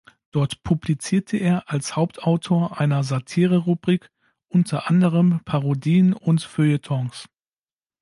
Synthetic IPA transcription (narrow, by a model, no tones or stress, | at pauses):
d̥ɔɐtpʰublit͡siːɐtʰəʔeːɐʔalshaʊp̚tʰʔaʊtʰoːɐʔaɪnɐzatʰiːʁəʁubʁiːk | ʔʊntʰɐʔandəʁəmpʰaʁodiːənʊntføətʰɔŋs